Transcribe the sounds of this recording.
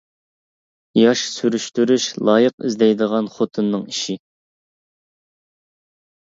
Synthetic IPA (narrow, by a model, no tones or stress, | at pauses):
jɑʃsyɾyʃt̪yɾyʃlˠɑːjəqḭzd̪ɛjd̪əʁɑnχot̪ʰɨnːɨŋiʃi